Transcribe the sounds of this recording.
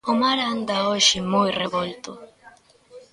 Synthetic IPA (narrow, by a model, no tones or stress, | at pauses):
ʊmaɾand̪aoʃɪmojreβolt̪ʊ